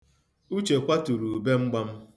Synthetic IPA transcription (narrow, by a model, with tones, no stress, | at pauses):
u˦t͡ʃe˨kʷa˦tu˨ɾu˨be˦ŋ͡m̩˦ɡ͡ba˦m̩˦